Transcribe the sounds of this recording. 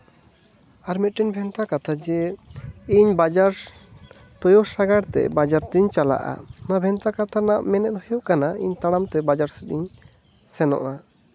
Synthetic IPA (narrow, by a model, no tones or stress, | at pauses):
aɾmit̪̚ʈɛnbʱɛnt̪akat̪ʰad͡ʒɛ | iɲbad͡ʒaɾ | t̪ɔjosaɡaɾt̪ɛ̰bad͡ʒaɾt̪iɲt͡ʃala̰ʔa̰nabʱɛnt̪akat̪ʰanaʔmɛnɛt̪̚ɦɔjoʔkanaḭɲt̪aɽamt̪ɛbad͡ʒaɾsɛd̪iɲ | sɛnɔ̰ʔa